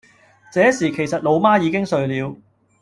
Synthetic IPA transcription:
t͡sɛː˨˥siː˨˩kʰe˨˩jsɐ˨t̚lo˨˧wmaː˥jiː˨˧kɪ˥ŋsɵ˨˧ɥliː˨˧w

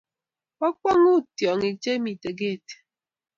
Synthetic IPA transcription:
ɔ˦k͡pɔ˦ŋu˦tjɔ˨ŋi˨t͡ʃe˦mi˨te˨ɡe˦˨te̥˨

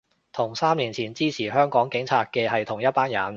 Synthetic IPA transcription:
t̪ʰʊ˨˩ŋsaː˥mliː˨˩nt͡sʰiː˨˩nt͡siː˥t͡sʰiː˨˩ɦœː˥ŋkɔː˨˥ŋkɪ˨˥ŋt͡sʰaː˧t̚kɛː˧ɦɐ˨jt̪ʰʊ˨˩ŋjɐ˥t̚paː˥njɐ˨˩n

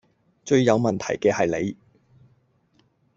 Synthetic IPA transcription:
t͡ʃɵ˧ɥjɐ˨˧wmɐ˨nt̪ʰɐ̰˨˩jkɛː˧hɐ˨jle˨˧j

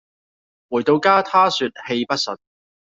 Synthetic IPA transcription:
wuː˨˩jt̪o˧wkaː˥t̪ʰaː˥syː˧t̚he˧jpɐ˥t̚sɵ˨n̚

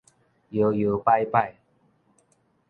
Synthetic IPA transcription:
jo˨˦jo˨˦pa˥˧jpa˥˧˨j

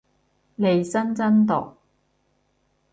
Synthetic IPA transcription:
le˨˧jsɐ˥nt͡sɐ˥nt̪ɔ̰˨k̚

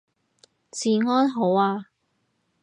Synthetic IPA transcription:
t͡siː˨˩ŋɔː˥nɦo˨˥waː˧

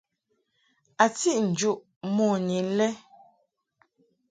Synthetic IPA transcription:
a˨ti˦ʔn̩˨d͡ʒu˦ʔ | mɔ˦˨ni˨lɛ˦

